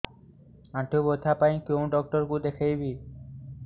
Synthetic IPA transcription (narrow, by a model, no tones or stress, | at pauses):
aʈʰubot̪ʰːapaj̃kew̃ɖɔk̚ʈoɾkud̪ekʰejbi